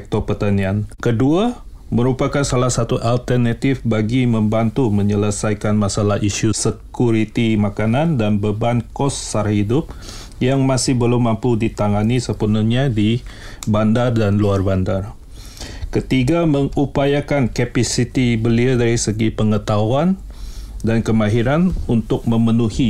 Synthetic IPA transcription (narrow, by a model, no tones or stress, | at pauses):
ɛk̚t̪ɔpərt̪aniankədua | məɾupakansalahsat̪uʔalt̪ərnat̪ɪfbaɡimə̃mbant̪umə̃ɲələsajkanmasalahiʃusəkuɾit̪imakanandanbəbankɔsːaɾahidʊp̚ | jaŋmasɪhbəlʊmːampudit̪aŋanisəpunuɲadibandardanluarbandar | kət̪iɡaməŋupajakankɛpasit̪ibəliadaɾisəɡipəŋət̪auan | dankəmaɦiɾanunt̪ʊk̚mə̃mənuhi